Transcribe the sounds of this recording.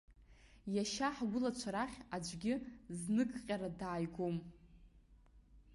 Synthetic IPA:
jaʃaħɡʷʊlat͡ʃʷʰaɾaχʲad͡ʒʷʼɡʲɪznɨkʰʼqʲʼaɾadaːjɡʷom

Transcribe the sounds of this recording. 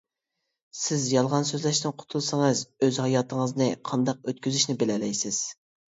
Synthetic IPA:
sɪzjɑlˠʁɑnsøzlæʃt̪ɪnqʰʊ̥t̪ʰulˠsɨŋɨzøzhɑjɑːt̪ʰəŋəznɨqʰɑnd̪ɑq̚øt̪kʲyzyʃnɪbɪlɛlɛjsɪz̥

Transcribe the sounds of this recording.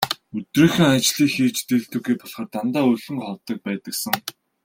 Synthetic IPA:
ɵt̪reːxɘ̆ŋat͡ɕɮiːxiːt͡ɕt̪eɮt̪ɵɣeːpɔɮχə̆rt̪ant̪aːɵɮɵ̆ŋχɔwt̪ə̆k̚pæːt̪ə̆ksə̆ŋ

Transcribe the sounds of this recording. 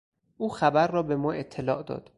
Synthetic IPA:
ʔuːxæbæɾːɒːbe̞mɒːe̞t̪ʰːe̞lɒ̰ːʔd̪ɒ̰ːd̪̥

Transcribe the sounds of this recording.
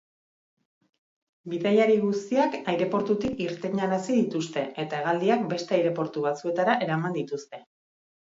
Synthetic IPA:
biðajaɾiɣust̪iakajɾe̞po̞ɾt̪ut̪ikiɾt̪e̞ɲaɾasiðit̪ust̪e̞e̞t̪ae̞ɣ̞ald̪iak̚be̞st̪e̞ajɾe̞po̞ɾt̪uβ̞at͡sue̞t̪aɾaʔe̞ɾamand̪it̪ust̪e̞

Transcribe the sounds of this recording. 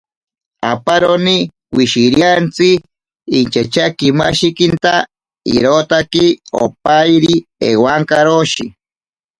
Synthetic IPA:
apaɾoni | wiʃiɾjant͡siː | nt͡ʃat͡ʃakimaʃikint̪a | ḭɾot̪akio̰pajɾiḛwaŋkaɾoʃi

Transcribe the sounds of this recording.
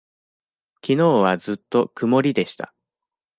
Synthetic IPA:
kʲino̞ːβazɨt̪ːo̞kɯ̟mo̞ɾʲid̪e̞ɕi̥t̪a̰

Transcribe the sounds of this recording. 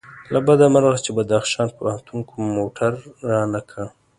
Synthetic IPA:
labad̪amaɾɣat͡ʃebad̪axʃɑːnpant̪ʰuŋkomoʈʰaɾːɑnakʰa

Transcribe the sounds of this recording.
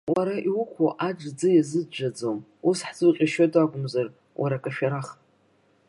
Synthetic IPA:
waɾaʔiwukʷʰoʔaʈ͡ʂd͡zɨjazɨdd͡ʒad͡zom | usħzɨqʲʼiʃadʼakʷʼʊmzar | wʔaɾakʼaʃᶣaɾaχtʼ

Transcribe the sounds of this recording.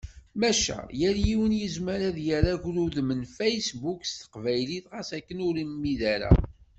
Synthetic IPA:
mæʃæ̰jəɾjiwənjəzməɾæðjəɾaʝluðmənfæjsbukst̪ə̥qvæjliθʁasækːənʊɾimːiðæɾæ̰

